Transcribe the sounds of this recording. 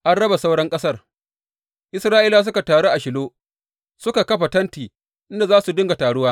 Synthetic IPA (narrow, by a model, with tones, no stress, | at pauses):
ʔa˦nɽɐ˦ba˨sa˦wɽɐ˦ŋkʼɐ˦sɐ˦r | ʔɪ˦sɾaː˦ʔiː˦la˨s̬ʊ˦ka˨taː˨ɽo˦ʔa˨ʃɪ˨loː˦ | sʊ˦ka˨kɐ˦ɸa˨tɐ˦ntiː˨ | ʔɪ˦nda˨zaː˦su˨dʊ˦ŋɡa˨taː˨ɽʊ˦waː˦